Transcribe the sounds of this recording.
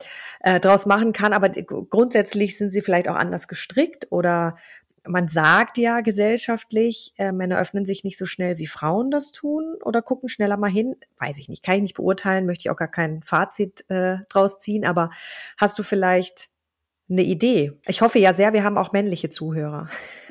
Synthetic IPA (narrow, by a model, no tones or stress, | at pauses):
ʔɛːdʁaʊsmaχn̩kʰanʔaːbɐɡ̥ʁʊntz̥ɛt͡slɪçz̥ɪntz̥iːfɪlaɪçta̰ʊxʔa̰ndɐsɡ̥əʃtʁ̥ɪktʔo̰ːɾɐ | manzaːktjaːɡəzɛlʃaftlɪçʔɛːmɛnɐʔœfnənzɪçnɪçtz̥oːʃnɛlviːfʁ̥aʊəndastʰuːnʔo̰ːdɐkʰʊkŋ̩ʃnɛlɐmaːlɦɪnv̥a̰ɪsɪçnɪ̰çtkʰanɪçnɪçt̚b̥ə̰ʔʊ̰ɐtʰaɪlənmœçtəɪça̰ʊxɡ̥aːɐkʰaɪnfaːt͡sitʔɛːd̥ʁaʊst͡siːənʔaːbɐhast̚d̥uːfɪlaɪçt | nəʔideːʔɪçhɔfəjaːzeːɐviːɐɦaːbm̩ʔa̰ʊxmɛnlɪçət͡suːɦøːʁ̞ɐ̰